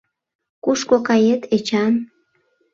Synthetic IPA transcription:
kuʃkokɑjet̪ʰet͡ɕɑn

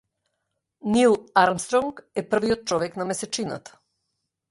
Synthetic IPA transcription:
nilˠaɾmst̪ɾɔŋkɛpr̩viɔt̪̚t͡ʃɔʋɛknamɛsɛt͡ʃina̰t̪ḁ

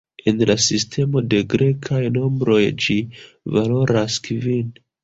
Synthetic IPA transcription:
enlasistʰe̞mo̞de̞ɡɾe̞kʰajno̞mbɾo̞jd͡ʒi | valo̞ɾaskvin

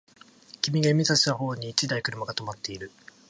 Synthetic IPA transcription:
kʲimʲiɡaimʲizaɕi̥t̪aho̞ːɲ̟iːt͡ɕid̪aikɯ̟ɾɯ̟maɡat̪o̞mat̪ːe̞iɾɯ̟

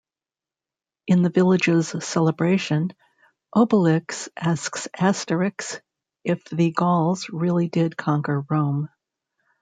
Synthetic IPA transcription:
ɨ̃nðɨvɪlˠɨd͡ʒɨz̥sɛlˠəbɹeɪʃɨ̃n | ʔoʊbəlɪksʔæsksæstə˞ɨks | ʔɪfðɨɡɔlˠzɹɪlˠidɪd̚kʰɑ̃ŋkə˞ɹõʊ̃m

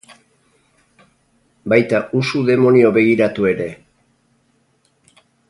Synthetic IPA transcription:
bajt̪ausuðe̞mo̞nio̞βe̞ɣ̞iɾat̪ue̞ɾe̞

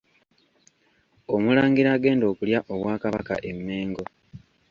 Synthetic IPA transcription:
omulaːŋɡiɾaːɡe̞ːndo̞ːkuljaʔo̞βwaːkaβa̰ka̰ʔe̞mːe̞ːŋɡo̞

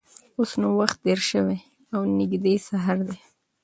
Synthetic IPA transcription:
osnawaxt̪̚d̪eɾʃəwe | awnɪɡd̪esaɦaɾd̪e

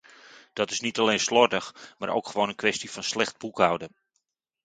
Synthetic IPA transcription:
d̥ɔtɪsnitaleːnslɔrdəxmaːɾʔo̰wkχəʋoːwnənkʰʋɛstifɔnslɛχt̚bukawdən

